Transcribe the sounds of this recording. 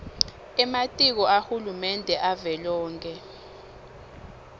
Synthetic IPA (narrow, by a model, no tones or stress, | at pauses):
ɛmatʼik̬ɔʔaxulumɛndʱɛʔavɛlɔːŋkʼɛ